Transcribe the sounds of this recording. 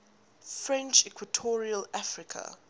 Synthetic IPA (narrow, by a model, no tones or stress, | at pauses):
fɹɛ̃nt͡ʃɛkʰwatʰɔɹiəlafɹɪkʰa̰